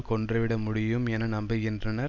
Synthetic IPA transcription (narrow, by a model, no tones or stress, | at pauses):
kɔɳdrɐʋɪɽɐmʊɽɪjɯmɛnɐnɐmbɐɣɪndrɐnɐɾ